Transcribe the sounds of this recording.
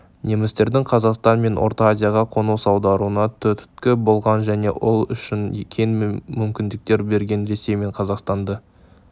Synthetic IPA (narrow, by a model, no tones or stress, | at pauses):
ne̞mɪst̪e̞ɾd̪ɪŋqʰɑzɑqst̪ɑnme̞nʔo̞̰ɾt̪ɑazʲijaʁɑqʰo̞nuwsɑwd̪ɑɾuənɑt̪ʰʏt̪ʰt̪kʲɪbo̞lˠʁɑnʒæne̞ʔolˠʏ̰ʃɪnkʲʰe̞nmʏmkʲɪnd̪ɪk̚t̪e̞ɾbe̞ɾɡʲe̞nɾe̞se̞jme̞ɴqʰɑzɑqst̪ɑnd̪ə